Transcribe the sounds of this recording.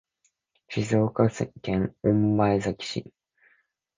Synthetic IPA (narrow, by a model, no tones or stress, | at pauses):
ɕizo̞ːkasekẽŋõmbaezakʲi̥ɕi